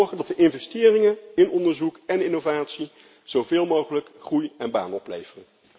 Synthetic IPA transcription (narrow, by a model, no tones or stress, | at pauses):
ɹχəndɑtdəʔɪnvɛstɪːrɪŋənɪnɔndəɹzukɛnɪnovaːtsi | z̥ovɪːlˠmowχələkχrujɛnba̰ːnɔplḛjvərən